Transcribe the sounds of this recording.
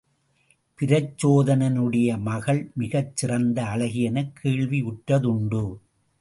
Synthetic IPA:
pɪɾɐt͡ʃːoːðɐnɐnɯɽɐjɐmɐɣɐɭmɪɣɐt͡ʃːɪrɐnd̪ɐːɭɐɣɪjɐnɐkʰːeːɭʋiʊʈɾɐðʊɳɖɯ

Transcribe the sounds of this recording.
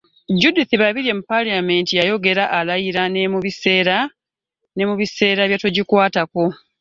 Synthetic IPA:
ɟudiθiβaβiɾe̞mupaliame̞ntijajo̞ɡe̞ɾaʔalajiɾanemuβiseːɾa | ne̞muβise̞ːɾaβjatoɟikwaːtako̞

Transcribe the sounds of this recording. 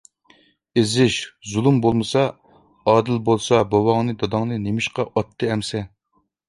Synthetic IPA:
ezɪʃzulˠumbolˠmɨsɑ | ɑːd̪ɪlbolˠsɑbɑwɑŋnɨd̪ɑd̪ɑŋnɨnemɪʃqɑʔɑt̪ʰːɨɛmsɛ

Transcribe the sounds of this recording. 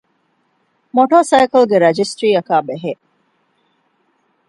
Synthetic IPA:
moʈoːsɐjkɐlɡeɾɐd͡ʒisʈɾiːɐkaːbeɦe

